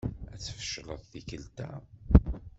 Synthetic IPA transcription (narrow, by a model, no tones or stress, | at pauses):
æt͡sːə̥fə̥ʃːlˤəðˤθikəlt̪æ